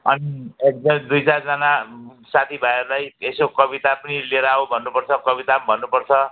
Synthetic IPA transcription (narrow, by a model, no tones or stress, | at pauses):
ʌniek̚d̪ʌmid̪ujt͡sard͡zʌnasat̪ʰibʱʌeɾlajesokʌβit̪apʌnileɾaubʱʌnːupʌrt͡sʰʌkʌβit̪abʱʌnːupʌrt͡sʰʌ